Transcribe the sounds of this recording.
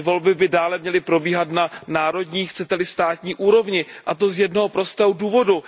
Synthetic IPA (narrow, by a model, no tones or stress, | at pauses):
vo̞lbɪbɪdaːlɛmɲɛlɪpɾo̞biːɦat̪nanaːɾo̞dɲiːxt͡sɛt̪ɛlɪst̪aːt̪ɲiːʔuːɾo̞vɲɪʔat̪o̞zjɛdnoɦopɾo̞st̪ɛwduːvo̞du